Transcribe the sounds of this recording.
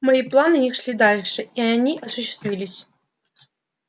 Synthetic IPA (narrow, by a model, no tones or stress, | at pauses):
mɐiplˠanɨnʲixʂlʲid̪alʲʂɨiɐnʲiʔɐsʊɕːɪ̥st̪vʲilʲɪsʲ